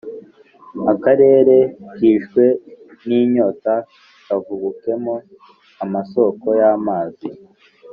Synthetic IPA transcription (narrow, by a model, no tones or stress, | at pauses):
akaɾe̞ːɾe̞kiːʃkwe̞niːɲo̞ːta | kavuɡuke̞mo | amaso̞ko̞jaːmaːzi